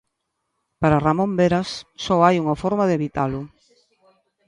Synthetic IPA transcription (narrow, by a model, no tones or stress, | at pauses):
paɾaramõmbeɾasːɔajuŋafɔɾmaðeβit̪alʊ